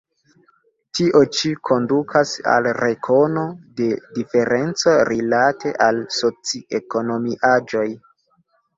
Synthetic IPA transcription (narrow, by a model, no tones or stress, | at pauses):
tiʔo̞t͡ʃikʰo̞ndukʰasa̰lɾe̞kʰo̞no̞de̞dife̞ɾe̞nt͡soɾilate̞ʔalso̞t͡sieko̞no̞miʔad͡ʒo̞j